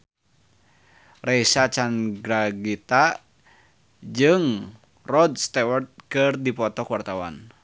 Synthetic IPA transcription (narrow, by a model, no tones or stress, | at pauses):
rɛisat͡ʃanɡɾaɡit̪a | d͡ʒɨŋ | rɔdst̪ɛwərt̪̚kɨrdipɔt̪ɔkwart̪awa̰n